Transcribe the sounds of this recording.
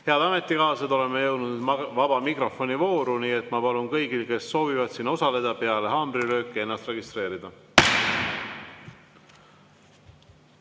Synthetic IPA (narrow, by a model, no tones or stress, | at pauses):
heɑd̪̥ɑme̞t̪ːˑikɑːsed̪o̞le̞mːejɤwd̪ud̪vɑb̥ɑmikro̞fo̞nivo̞ːɾuniːe̞t̪mɑpɑlunkɤjɡilke̞sːo̞ːvivɑd̪̥sinːo̞sɑle̞d̪̥ɑpeɑle̞ɦɑːmriɾø̞ːkːˑienːɑst̪re̞ɡist̪ɾe̞ːɾid̪̥ɑ